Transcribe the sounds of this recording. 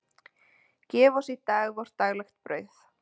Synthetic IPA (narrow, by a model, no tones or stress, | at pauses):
cɛːvɔsit̪aːɣvɔɾ̥t̪aɣlaxt̪̚pɾœːɥθ